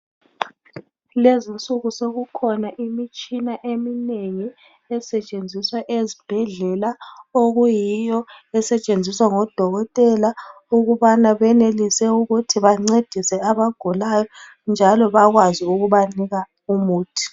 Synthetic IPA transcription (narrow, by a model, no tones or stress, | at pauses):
lezint͡sʼuɣusoɣukʰɔnaʔimit͡ʃʼinaʔemineŋi | ɛsɛt͡ʃʼend͡zʱiswaʔezib̥ʱɛɮɛlaoɣujijɔɛsɛt͡ʃʼend͡zʱiswaŋɔd̥ʱɔɣɔtʼɛla | uɣuβanaβɛnelisɛuɣutʰiβaŋ͡ǀed̥ʱisɛaβaɡ̥ʱulajɔ | nd͡ʒʱalɔβaɣwaziuɣuβaniɣa | umuːtʰi̥